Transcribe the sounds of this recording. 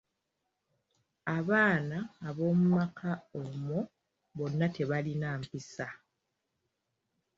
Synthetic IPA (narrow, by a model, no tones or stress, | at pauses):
aβaːnaːβo̞ːmumakʰaomo | βo̞nːate̞βalinaːmpisa